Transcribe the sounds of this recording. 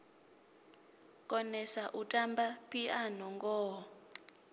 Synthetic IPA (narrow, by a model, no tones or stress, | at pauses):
kʼɔnɛsaʔutʼambapʰianɔŋɡɔː